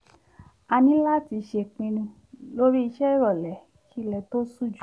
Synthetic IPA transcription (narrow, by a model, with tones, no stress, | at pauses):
a˧nĩ˨˦la˦ti˧ʃe˧˨k͡pĩ˧nũ˧ | lo˦ɾi˦i˧ʃɛ˦i˦˨ɾɔ˨lɛ˨˦ | kʰi˦lɛ˨to˦su˦˨d͡ʒu˨